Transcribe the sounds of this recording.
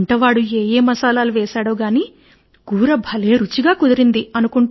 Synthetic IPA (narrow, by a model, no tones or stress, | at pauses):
ɳʈɐʋaːɽueːjeːmɐsaːlaːluʋɛːʃaːɽoːɡaːniː | ɡ̥uːɾɐbʱɐleːɾut͡ʃiɡaːkud̪ɐɾind̪iɐnukuɳ